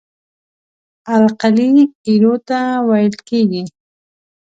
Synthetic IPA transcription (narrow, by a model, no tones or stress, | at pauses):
alqalikiɾot̪awajlkeːɡɪ